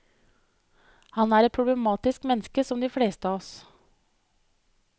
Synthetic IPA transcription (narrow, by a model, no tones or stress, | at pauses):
hɑnæːɾɛt̪̚pʰɾʊbləmɑːt̪ɪskmɛnːəskəsɔmd̪ɪfɽeːst̪əɑːɔs